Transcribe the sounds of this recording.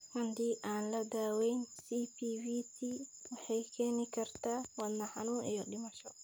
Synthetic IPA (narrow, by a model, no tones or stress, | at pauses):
wɐnd̪iːʔaːnlɐd̪aːwɛjnsipiwiːt̪ʰiːwɑħɑjkʰɛːnɪkʰɐrt̪ʰaːwɐd̪nɐħɑnuːŋʔijɔɗɪmɐʃɔ